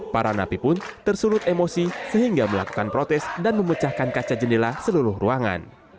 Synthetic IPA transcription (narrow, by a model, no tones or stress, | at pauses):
paɾanapipʊnt̪ərsulʊt̪emosisəɦiŋɡaməla̰ku̥kanpɾot̪ɛsdanməmət͡ʃahkankat͡ʃad͡ʒənilasəluɾʊhruaŋa̰n